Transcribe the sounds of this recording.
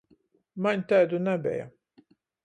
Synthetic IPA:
maɲʲt̪æːd̪unæbʲɛ̰ja̰

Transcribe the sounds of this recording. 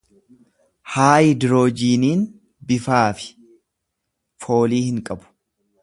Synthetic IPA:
haːjd̪ɪɾo̞ːd͡ʒiːniːn | bɪfaːfɪ̥ | fo̞ːliːhɪŋkʼɐbʊ̥

